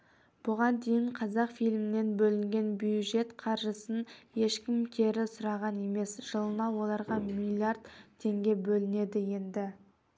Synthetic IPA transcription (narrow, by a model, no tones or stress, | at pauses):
b̥ʊʁɑnd̪e̞jɪɴqʰɑzɑqfijlmɪne̞nbɵlɪŋɡʲe̞nbjuʒe̞t̪qʰɑɾʒəsənje̞ʃkʲɪmkʲʰe̞ɾɪsʊɾɑʁɑne̞me̞sʒ̥əlˠənɑwo̞lˠɑɾʁɑmilʲˠiaɾd̪t̪ʰːe̞ŋɡʲe̞bɵlɪne̞d̪ɪje̞nd̪ɪ